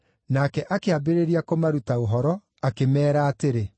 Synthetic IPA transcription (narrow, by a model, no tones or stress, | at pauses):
nakɛʔakeabeɾeɾiakomaɾutaoɦɔɾɔ | akemɛːɾaːteɾe